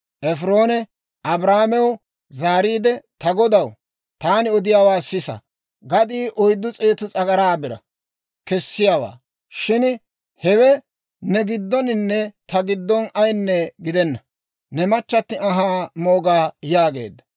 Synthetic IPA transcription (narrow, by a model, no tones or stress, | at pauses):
ʔɛfɾo̞ːnɛ | ʔɐbɾaːmɛw | zaːɾiːd̪ɛt̪ɐɡɔd̪ɐw | t̪aːnɪɔd̪ɪjaːwaːsɪsɐ̰ | ɡɐd̪iːʔɔjd̪ːʊt͡sʼeːt̪ʊt͡sʼɐɡɐɾaːbɪɾɐ̰ | kɛsːɪjaːwa̰ː | ʃɪn | hɛwɛ | nɛɡɪd̪ːɔnɪnːɛt̪ɐɡɪd̪ːɔnɐjnːɛɡɪd̪ɛnːɐ | nɛmɐt͡ʃːɐt̪ːɪɐɦaːmoːɡaːjaːɡe̞̰ːd̪ːɐ